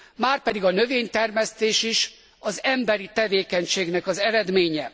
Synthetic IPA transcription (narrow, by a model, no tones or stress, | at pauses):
maːrpɛd̪iɡɒnøveːɲt̪ɛrmɛst̪eːʃiʃ | ɒzɛmbɛɾit̪ɛveːkɛɲʃeːɡnɛkɒzɛɾɛd̪meːɲɛ